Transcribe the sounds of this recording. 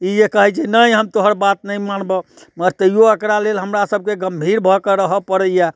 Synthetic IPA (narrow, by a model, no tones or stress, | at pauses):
ijekəɦɛt͡ʃʰinəjɦəmt̪oɦəɾbat̪̚nəjmanbə | məɾt̪əijoəkɾalelɦəmɾasəb̚ʱkeɡəmbʱiɾbʱɔkeɾəɦəpəɾəja